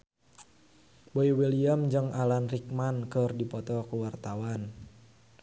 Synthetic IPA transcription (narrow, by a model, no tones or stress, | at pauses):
boiwiliamd͡ʒəŋalanrik̚mankərdipɔt̪ɔkuwart̪awan